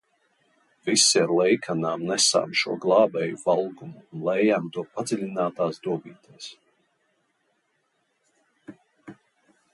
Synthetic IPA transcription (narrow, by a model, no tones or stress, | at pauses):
visːiaɾlˠɛjkʰanaːmnɛsa̰ːmʃuɔɡlˠɑːbɛjuvalˠɡumuːnlɛjjaːmt̪uɔpad̪zɛlʲinaːt̪aːsd̪uɔbiːt̪ʰɛːs